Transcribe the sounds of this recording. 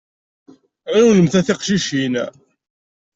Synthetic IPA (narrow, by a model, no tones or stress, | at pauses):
æunəmθæθɪqʃiʃin